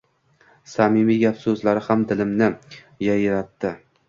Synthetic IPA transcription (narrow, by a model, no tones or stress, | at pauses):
samɪmiɡʲapsɵzlaɾɪhamd̪ɪlɪmnɪ | jajɾat̪ːɪ